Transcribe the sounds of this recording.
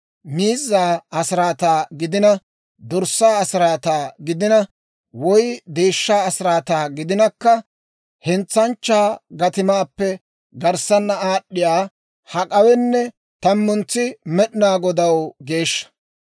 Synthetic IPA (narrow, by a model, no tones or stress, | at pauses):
miːzːaːɐsɪɾaːt̪aːɡɪd̪ɪnɐ | d̪ɔɾsːaːɐsɪɾaːt̪aːɡɪd̪ɪnɐ | wɔjd̪eːʃːaːɐsɪɾaːt̪aːɡɪd̪ɪnɐkːɐ | hɛnt͡sːɐnt͡ʃːaːɡɐt̪ɪmaːpːɛ | ɡɐɾsɐnːɐaːɗːɪjaː | hɐkʼɐwɛnːɛ | t̪ɐmːʊnt͡sːɪmɛɗɪnaːɡɔd̪ɐwɡe̞ːʃːɐ̥